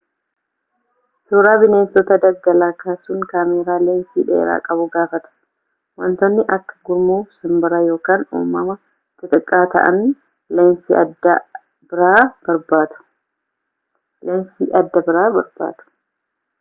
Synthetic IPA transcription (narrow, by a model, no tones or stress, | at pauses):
suːɾaːbɪne̞ːnsɔt̪ɐd̪ɐɡːɐlaːkaːsʊŋkaːmeːɾaːleːnsḭːᶑḛːɾa̰ːkʼɐbʊɡaːfɐt̪ʊ̥ | wɐ̰nt̪ɔnːɪʔɐkːɐ̥ɡʊɾmuːfsɐmbɐɾɐjo̞ːkaːnṵːmːɐmɐ | t̪ʼɪt̪ʼɪkʼːaːt̪ɐ̰ʔɐ̰n | leːnsiɐd̪ɐ | bɪɾaːb̥ɐɾbaːd̪ʊ̥ | lensiːʔɐd̪ːɐbɪɾaːbɐɾba̰ːt̪ʊ̥